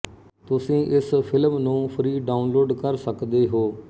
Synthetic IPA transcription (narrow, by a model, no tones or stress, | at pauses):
t̪ʊsĩːʔɪspʰɪlmnũːpʰɾiːɖaːʊnloːɖkəɾsəkd̪eːɦoː